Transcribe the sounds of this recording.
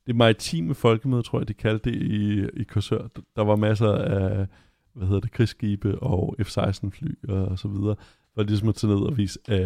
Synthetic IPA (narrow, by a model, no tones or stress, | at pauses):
d̥e̝mɑ̈ʁit͡sʰḭːməfɒ̽lɡ̥əmøðˠt͡sʰʁo̰ɐjɐdikʰæld̥de̝iikʰɒsøɐ̰̥d̥ɑ̈ʋɑ̈mæs̬ɐæ | ʋæhe̝ðˠɐd̥e̝kʰʁisɡ̥iːb̥əʔɒ̽efsɑ̈ɪsd̥n̩fly̰ːɒ̽sɒʋið̞ˠɐː | ʋɑ̈lis̬ɒ̽mɒt͡sʰe̝ne̝ð̞̰ˠɒʋḭːs